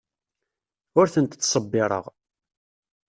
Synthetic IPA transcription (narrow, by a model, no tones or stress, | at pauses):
ʊɾθənt̪θsˤəbːɪɾˤə̰ʁ